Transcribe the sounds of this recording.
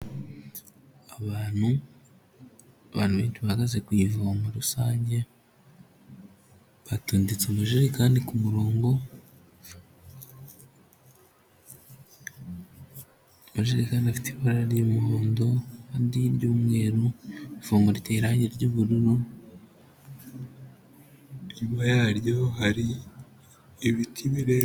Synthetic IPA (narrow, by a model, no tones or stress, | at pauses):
aβaːn̥hu | aβa̰ːnuβeːnʃiβahaɡaze̞kwivamuɾusaːɲɟe̞ | βatuːndit͡semaʒiɾikaːndikumuɾo̞ːŋɡo̞ | βaʒiɾikaːndafi̥tiβoɾaɾimoːndo̞haːndiɾɟuːmŋe̞ɾuifomuɾiteiɾaːɲiɾɟuβuɾuɾo | iβajaɾjohaɾi | iβitʰiβiɾe